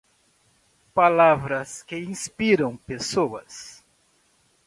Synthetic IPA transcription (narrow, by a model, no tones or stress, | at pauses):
palavɾɐskɪĩspiɾɐ̃w̃pesoɐ̰s